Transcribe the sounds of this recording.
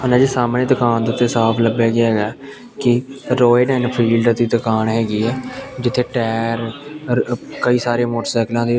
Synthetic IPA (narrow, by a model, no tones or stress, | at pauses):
ɦənãːd͡ʒeːsaːmɽẽːt̪əkaːnd̪ʊt̪ːeːsaːpʰləbjaːɡɪaːɦɛːɡaː | kɪɾoːeːɖɛːnpʰiːlɖt̪iːt̪əkaːnɦɛːɡiːɛːd͡ʒɪt̪ʰːeːʈɛːɾ | kəiːsaːɾeːmoːʈəɾsɛːklãːd̪iː